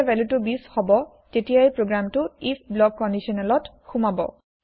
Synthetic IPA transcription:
vɛlutubishɔbɔ | tetijajpɹoɡɹamtʊipʰblɔk̚ːɔndisɔnɛlɔt | xumabɔ̰

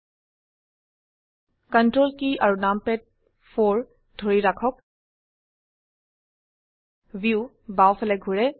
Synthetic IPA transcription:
kəntɹolkiaɹunampɛt̚ | fʰoɹ | dʱoɹiɹakʰɔk̚ | vju | bawfʰɛlɛɡʱuɹɛ

